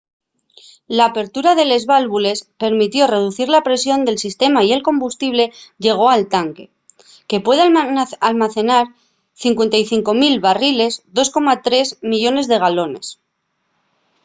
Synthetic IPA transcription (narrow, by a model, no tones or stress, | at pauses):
laːpe̞ɾt̪uɾaðe̞le̞zβalβule̞spe̞ɾmit̪jo̞re̞ð̞uθiɾlapɾe̞sjo̞nd̪e̞lsist̪e̞maie̞lko̞mbust̪iβ̞le̞ʝe̞ɣ̞o̞alt̪aŋke̞ | ke̞pwe̞ðealmaθe̞naɾ | θiŋkwe̞nt̪ajθiŋko̞milβarile̞zd̪o̞sko̞mat̪ɾe̞zmiʎo̞ne̞zðe̞ɣalo̞ne̞̰s